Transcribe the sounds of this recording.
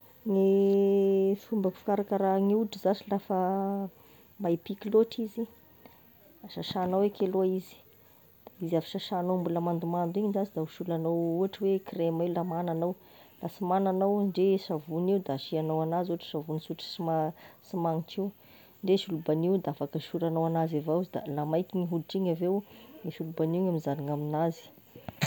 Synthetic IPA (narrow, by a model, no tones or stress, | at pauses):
ne | fumbəkfḁkaɾakaɾaŋiuʈ͡ʂizasilafə | maipikloʈ͡ʂizi | aʃaʃanawekeluaizi̥ | izafi̥ʃaʃanombulamand̪umand̪iɲinzazid̪auʃulanowuaʈ͡ʂəwekremaiwlamananaw | lasimananawɳɖ͡ʐeʃavuniwd̪aʃianawanazuaʈ͡ʂə̥ʃavunisuʈ͡ʂi̥simasimaŋiʈ͡ʂiw | ɳɖ͡ʐeʃulubaniwd̪aafakəʃuɾanawanazavaizid̪a̰lamajkʲiɲiɦulʈ͡ʂiɲavewmiʃulubaniɲamizaniŋaminazi̥